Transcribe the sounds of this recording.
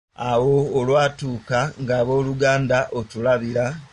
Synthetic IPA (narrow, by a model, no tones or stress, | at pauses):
awo̞ːlwaːtuːkaŋɡaːβo̞ːluɡaːndaʔo̞tulaβiɾa